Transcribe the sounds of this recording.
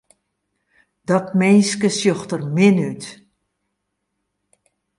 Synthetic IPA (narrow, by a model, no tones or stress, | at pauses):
d̥ɔtmejnskəsjoxtərmɪnyt